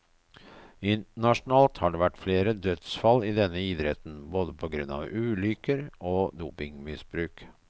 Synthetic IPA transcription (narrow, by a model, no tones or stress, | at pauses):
ɪnt̪əɳɑʂnɑːlt̪hɑɖeːʋæʈːfleːɾəd̪œt̪sfɑlɪd̪ɛnːəid̪ɾɛt̪n̩boːd̪əpʰɔɡɾʉnɑ̰ʋʉːlʏkəɾoːd̪uːpɪŋmɪsbɾʉːk